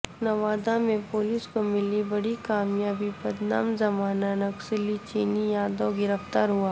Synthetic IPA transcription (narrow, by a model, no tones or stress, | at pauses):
nɐʋaːd̪amẽpoːlɪskomɪlibɐɽikaːmjaːbibɐd̪na̰ːmzɐmaːnanɐksɪlit͡ʃiːnijaːd̪oɡɪɾəft̪aːɾɦuaː